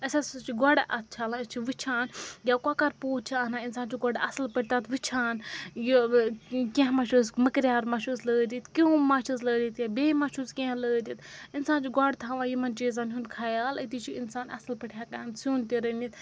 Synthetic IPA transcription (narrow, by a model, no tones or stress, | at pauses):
ɐsʲast͡ʃʰiɡɔɽʔɐt̪̚t͡ʃʰaːlat͡ʃʰiʋit͡ʃʰaːnjʲakakɐɾpoːt̪̚t͡ʃʰianaːinsaːnt͡ʃʰiɡɔɽɐsɨlpəʈ̚ʰʲt̪at̪ʰʋɨt͡ʃʰaːnji | kʲẽɦmɐʃuːzməkɾʲjaːɾmɐʃuzləːd̪ʲit̪kʲiumɐʃuzləːd̪ʲit̪jʲabeːmɐʃuzkʲẽləːd̪it̪insaːnt͡ʃʰiɡʷɐɽt̪ʰaːʋãːjimɐnt͡ʃeːzaːnɦunkʰajaːlɐt̪it͡ʃʰiinsaːnɐ̰slpɐʈʰʲjakaːnsuːnt̪iɾɐnit̪